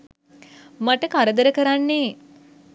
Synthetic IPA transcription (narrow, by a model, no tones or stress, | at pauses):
maʈəkaɾəd̪əɾəkəɾanːeː